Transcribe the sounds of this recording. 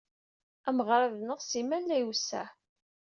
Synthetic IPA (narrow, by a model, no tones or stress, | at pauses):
æməʁɾˤaðnəʁsimænlæjusæ̰